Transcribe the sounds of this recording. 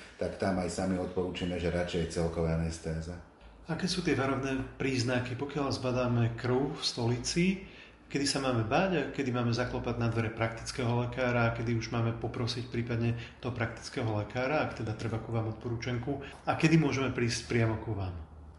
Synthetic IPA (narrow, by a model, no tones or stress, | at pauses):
t̪akt̪amajsamiɔt̪̚pɔɾuːt͡ʃimɛʒɛɾat͡ʃɛjt͡sɛlkɔʋanɛst̪ɛːzɛ | akɛːsuːt̪ɪɛʋaɾɔnɛːpɾiːznakipɔkɪalzbad̪aːmɛkr̩ʊfst̪ɔlit͡si | kɛd̪isamaːmɛbaɟakɛd̪imaːmɛzaklɔpad̪nad̪ʋɛɾɛpɾak̚t̪i̥t͡skɛɦɔlɛkaːɾaːkɛd̪iuʒmaːmɛpɔpɾɔsicpɾiːpad̪ɲɛt̪ɔɦɔpɾak̚t̪i̥t͡skɛːɦɔlɛkaːɾaːkt̪ɛd̪at̪ɾɛbakuʋaːmɔt̪̚pɔɾuːt͡ʃɛŋku | akɛd̪imʊɔʒɛmɛpɾiːscpɾɪamɔkuʋaːm